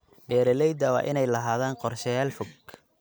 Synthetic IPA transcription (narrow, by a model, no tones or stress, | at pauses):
bɛːɾɛlɛjd̪ɐwɑ̰ːʔɪnɛjlɐɦaːðaːnqɔrʃɐjaːlfʊɡ